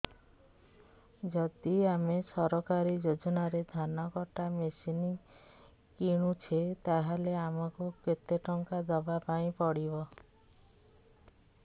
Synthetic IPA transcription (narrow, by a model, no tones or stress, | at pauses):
d͡ʒɔd̪iamesɔɾɔkaɾid͡ʒod͡ʒɔnaɾed̪ʱanɔkɔʈamesini | kiɽ̃ut͡ʃʰet̪aɦaleamɔkuket̪eʈɔŋkad̪ɔbapaĩpɔɽibɔ